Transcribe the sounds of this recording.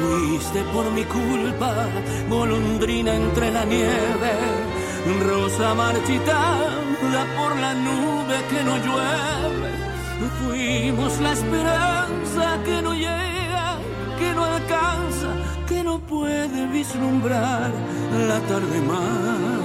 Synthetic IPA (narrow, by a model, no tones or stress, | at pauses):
fwist̪e̞po̞ɾmikulpa | ɣo̞lond̪ɾinaent̪ɾe̞lanjeβe | ro̞samaɾt͡ʃit̪a | nd̪apo̞ɾlanuβe̞ke̞no̞ʝwe | βe | fwimozlaespe̞ɾaansake̞no̞ʎe | ɣa | ke̞noalkansa | ke̞no̞pweðeβizlumbɾaɾ | lat̪aɾðe̞ma